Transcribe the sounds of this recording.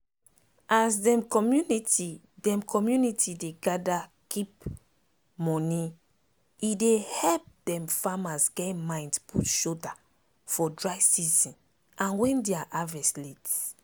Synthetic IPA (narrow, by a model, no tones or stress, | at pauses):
ʔaz̬dɛ̃mkɔmjuniti | dɛ̃mkʰɔmjunitʰideɡadakip | mɔni | idehɛlp̚d̥ɛ̃mfamasɡɛmãj̃ndspʰutʃoda | fɔdɹajsizĩn | ãnwɛ̃ndeaʔavɛslit